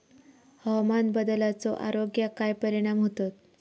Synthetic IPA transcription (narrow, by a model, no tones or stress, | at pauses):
hɔmanbəd̪əlat͡sɔʔa̰ɾoɡjakajpəɾiɽ̃amɦot̪ot̪